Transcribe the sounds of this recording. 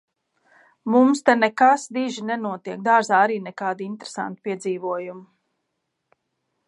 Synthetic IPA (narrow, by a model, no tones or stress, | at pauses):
mumst̪ɛnɛkasd̪iʒinɛnuɔt̪iɛk̚d̪aːɾzaːaɾiːnɛkaːd̪iint̪ɾe̥sa̰nt̪i̥piɛd̪ziːvuɔjumu